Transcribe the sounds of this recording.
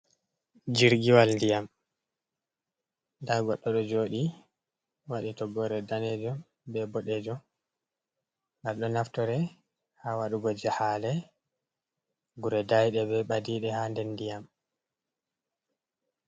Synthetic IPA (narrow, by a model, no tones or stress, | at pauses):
d͡ʒiɾɡiwalndijam | daɡɔɗːɔɗɔd͡ʒoːɗi | waɗitɔɡɔɾɛdanɛd͡ʒɔm | bɛbɔɗɛd͡ʒɔm | ɡalɗɔnaftɔɾɛ | hawaɗuɡɔd͡ʒahalɛ | ɡuɾɛdajɗɛbɛɓadiɗɛhandɛnːdijam